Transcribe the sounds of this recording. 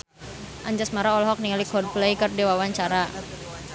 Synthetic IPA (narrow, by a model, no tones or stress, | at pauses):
ʔaɲd͡ʒasmaɾaɔlɔɦɔk̚niŋalikɔd̚plejkərdewawaɲt͡ʃaɾa